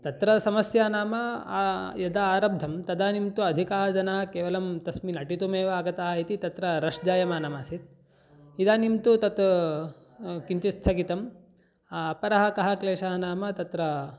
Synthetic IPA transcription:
t̪ɐt̪ɾɐsɐmɐsjaːnaːmɐ | jɐd̪aaːɾɐb̚d̪ʱɐmt̪ɐd̪aːnimt̪uɐd̪ʱikaːɦɐd͡ʒ̪ɐnaːɐkeːʋɐlɐmt̪ɐsminɐʈit̪umeːʋɐaːɡɐt̪aːɦɐit̪it̪ɐt̪ɾɐɾɐʂd͡ʒaːjɐmaːnɐmaːsit̪ | id̪aːnimt̪ut̪ɐt̪ | kiɲt͡ʃist̪ʰɐkit̪ɐm | aːpɐɾɐɦɐkɐɦɐkleːʃaːɐnaːmɐt̪ɐt̪ɾɐ

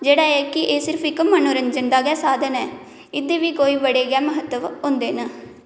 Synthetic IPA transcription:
d͡ʒeːɽaːɛːkɪʔeːsɪɾpʰɪkmənoːɾəɲd͡ʒənd̪aːɡɛːsaːd̪ənɛː | ɪd̪eːʋiːkoːiːbəɽeːɡɛːməɦət̪ːəʋɦʊ̃nd̪eːnaː

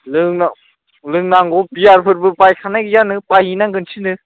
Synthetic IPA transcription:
lɯŋna | lɯŋnaŋɡɔpiaɾpʰɯɾpʰɯɾpajkʰanajɡjanɯpajinaŋɡɯnsʰinɯ

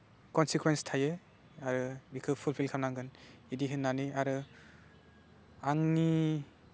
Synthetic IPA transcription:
kɔnsikwenstʰajɯ | aɾɯbikʰɯpʰulpʰilkʰamnaŋɡɯnidiɦɯnːaniaɾɯ | aŋni

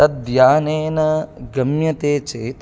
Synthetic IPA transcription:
ɐd̪jaːneːnɐɡɐmjɐt̪eːt͡ʃeːt̪

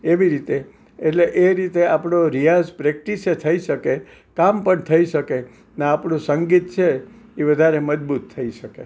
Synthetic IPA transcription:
eʋiɾit̪eː | ʈleʔeɾit̪eapɽ̃oɾijad͡ʒpɾɛk̚ʈiset̪ʰəiʃəke | kampəɳt̪ʰəiʃəke | neapɳũsəŋɡit̪̚t͡ʃʰe | iʋəd̪ʱaɾeməd͡ʒbut̪ʰːəiʃəke

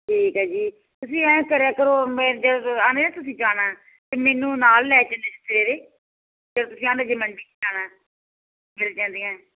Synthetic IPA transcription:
ʈʰiːkɦɛːd͡ʒiː | t̪ʊsĩːɛ̃ːkəɾaːkəɾoːmɛ̃ːd͡ʒədoːãːndeːnẽːt̪ʊsĩːd͡ʒaːnaː | t̪eːmeːnũːnaːlːɛːt͡ʃə̃ːnd̪eːsʰət̪ːɾeːɾeː | d͡ʒət̪ʊsĩːãːnd̪eːd͡ʒɪməɳɖiːd͡ʒaːnãː | mɪlt͡ʃãːnd̪iːãː

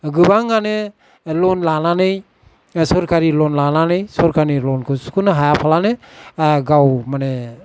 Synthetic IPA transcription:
ɡɯbaŋːane | lɔnlananɯj | sɔɾkaɾilɔnlananɯjsɔɾkanilɔnkʰɯsu̥kunaɦajapʰalane | ɡawmane

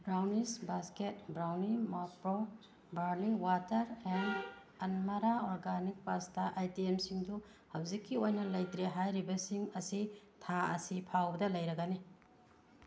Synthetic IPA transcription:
bɾawnisbasket̚bɾawnimapɾo | bɐɾliŋwatɐɾen | ɐnmaɾaɔɾɡanik̚pastɐʔajtiemsiŋdu | hɐwzikːiojnɐlɐjtɾiɦajɾibɐsiŋɐsi | tʰaɐ̰sipʰawbɐdɐlɐjɾɐɡani

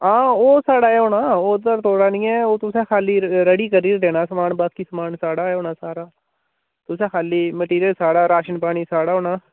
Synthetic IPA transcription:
ãːoːsaːɽaːɛɦoːnaːoːd̪əɾt̪oːɽaːnĩːɛːoːt̪ʊsẽːkʰaːliːɾəɽiːkəɾiːɾd̪eːnaːsəmaːɳbaːkiːsəmaːnsaːɽaːɛoːnaːsaːɾaː | t̪ʊsẽːkʰaːliːməʈiːɾijəlsaːɽaːɾaːʃənpaːɽ̃iːsaːɽaːɦoːnaː

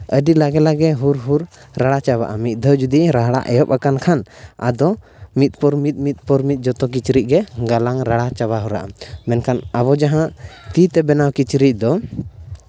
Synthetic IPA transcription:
əɖilaɡɛlaɡɛɦuɾɦuɾ | ɾaɽat͡ʃaβa̰ʔamit̪̚d̪ʱɔwd͡ʒud̪iɾaɦɽa̰ʔɛjɔp̚akankʰana̰d̪ɔ | mit̪̚ˀpɔɾmit̪̚ˀmit̪̚ˀpɔɾmit̪̚ˀd͡ʒɔt̪ɔk̬it͡ʃɾiʔ̚ˀɡɛɡalaŋɾaɽat͡ʃabaɦɔɾa̰ʔamɛnkʰanaβɔd͡ʒaɦãʔt̪it̪ɛbɛnawkit͡ʃɾic̚d̪ɔ

